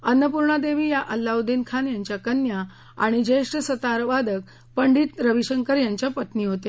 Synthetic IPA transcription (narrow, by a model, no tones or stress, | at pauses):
ənːəpuɾɳad̪eʋiːjaʔəlːawd̪inkʰanjaɲt͡ɕjakənja | a̰ɽ̃id͡ʑeʂʈəsət̪aɾʋad̪ək̚ | pəɳɖiːt̪ɾəʋiɕəŋkəɾjaɲt͡ɕjapət̪niːɦot̪e